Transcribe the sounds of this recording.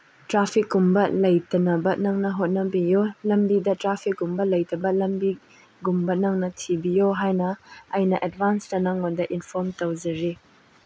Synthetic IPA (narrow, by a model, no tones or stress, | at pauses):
tɾapʰik̚ɡumbɐlɐjtɐnɐbɐnɐŋnɐɦot̚nɐbijolɐmbidɐtɾapʰik̚ɡumbɐlɐjtɐbɐlɐmbi | ɡumbɐnɐŋnɐtʰibijoɦajnɐɐjnɐʔet̚bansdɐnɐŋːondɐʔinpʰɔɾmtɐwzɐɾi